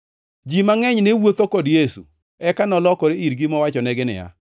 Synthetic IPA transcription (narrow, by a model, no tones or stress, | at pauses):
d͡ʒimaŋɛɲnɪwot̪okɔdjesṵ | ɛkanɔlɔkɔɾeiɾɡɪmɔwat͡ʃɔnɛɡɪnɪ̰ja̰